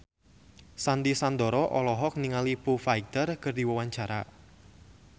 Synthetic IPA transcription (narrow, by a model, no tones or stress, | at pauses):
sand̪isand̪ɔɾɔʔɔlɔɦɔk̚niŋalipufait̪ərkɨrdiwawaɲt͡ʃaɾa̰